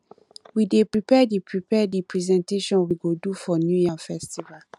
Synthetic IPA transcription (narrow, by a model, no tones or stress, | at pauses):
widepɹipʰɛdipʰɹipʰɛdipʰɹizɛ̃nteʃɔ̃nwiɡodufɔnjujafɛstival